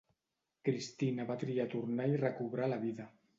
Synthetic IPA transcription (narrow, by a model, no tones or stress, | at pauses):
kɾist̪inaβat̪ɾiat̪uɾnairekuβɾalaβiða